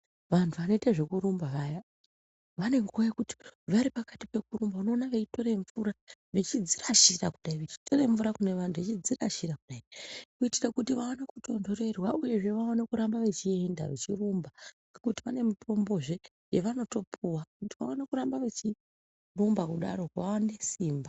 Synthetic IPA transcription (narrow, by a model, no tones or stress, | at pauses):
ʋantʰuʋano̞itaʐe̞kuɾumbaʋaja | ʋane̞ŋkojekuti̥ʋaɾipakati̥pe̞kurumbauno̞ːnaʋet͡ʃito̞ɾe̞ɱvuɾaʋe̞t͡ʃid͡ziraʃirakuɗaiʋet͡ʃi̥tʰo̞reɱvuɾakune̞ʋantʰuʋet͡ʃid͡ziraʃirakuɗaenakuitirakutiʋawanekuto̞ndo̞re̞rwauje̞ʐe̞ʋaonekuɾambaʋe̞t͡ʃie̞nda̰ʋet͡ʃirumbaŋɡekutiʋane̞muto̞mbo̞ʐe̞ | jeʋano̞to̞pʰuwakutiʋa̰onekuɾambaʋe̞t͡ʃi | rumbakuɗa̰ɾo̞kʋawane̞siːmba